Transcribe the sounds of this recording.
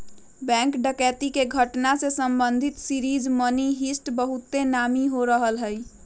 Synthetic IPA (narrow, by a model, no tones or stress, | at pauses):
bɛ̃ŋkɖəkɛt̪ikeɡʱəʈnasesəmbənd̪ʱit̪siɾid͡ʒməniɦisʈbəɦut̪ːenamiɦoɾəɦəlɦəj